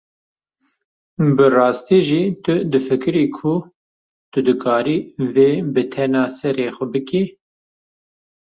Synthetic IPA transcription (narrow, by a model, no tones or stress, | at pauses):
bɨrɑːst̪iːʒiːt̪ʊd̪ɨfɨkɨɾiːkʰʊ | t̪ʊd̪ɨkʰɑːɾiːveːbɨt̪ʰɛnɑːsɛɾeːxʷɛbɨkiː